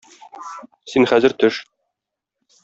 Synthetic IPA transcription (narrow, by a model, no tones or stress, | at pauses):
sinχæzɘ̆ɾt̪ɵʃ